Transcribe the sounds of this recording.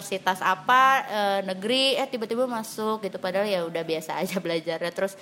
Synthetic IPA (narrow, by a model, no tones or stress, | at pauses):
rsit̪asapaənəɡɾijat̪ibat̪ibamasʊk̚ɡit̪upadaɦaljaŋudahbiasaːd͡ʒabəlad͡ʒarɲat̪əɾʊs